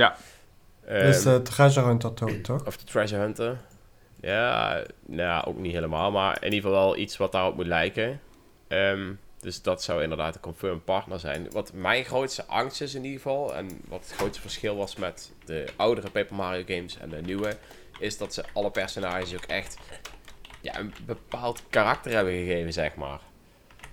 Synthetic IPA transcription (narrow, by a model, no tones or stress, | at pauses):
ja | əsətrɛzəœntətotʰɔɔfdətɹɛzəœntə | ja̰ | naʔo̰ːkniɦeːləmaːlˠma̰ɹɪ̰niəvɑlˠʋɛlˠitsʋɑt̚daːropmutlɛjkə | əmd̥øsdɑtsɑwɪndəɹdaːtəkɔmføːɹmpɑɹtnəɹzɛ̰jnʋɑtmɛjnxrowtstəʔɑŋstɪsɪnidɣəvɑlˠɛ̰nʋɑ̰tətxrowtstəv̥əɹsxɪlˠʋɑsmɛtd̥əʔʌwdərəpejpəlˠmaːrioɡejmsɛ̰ndənywə | ɪsdɑtsəʔɑlˠəpɛɹsonaːʒəəsowkɛ̰xt | ja̰ʔə̰nbəpaːlˠtkarɑk̚tərɦɛbəɣəɣejvənzɛxma̰ːr